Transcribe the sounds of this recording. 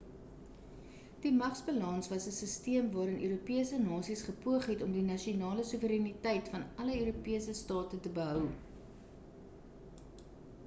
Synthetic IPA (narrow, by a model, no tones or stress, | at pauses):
d̥imɐχsbəlɐnsvɐsəsəstiəmvɑːɾənʔøːɾupiəsənɑːsisχəpuəχɦɛtɔmdinɐʃionɑːləsuvəɾɛnitɛjtfɐnɐləøːɾupiəsəstɑːtətəbəɦœw